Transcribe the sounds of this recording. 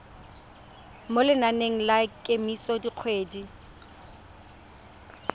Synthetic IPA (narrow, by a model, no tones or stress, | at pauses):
molɪnaneŋ̩lakʼemisɔdiq͡χʰweːdi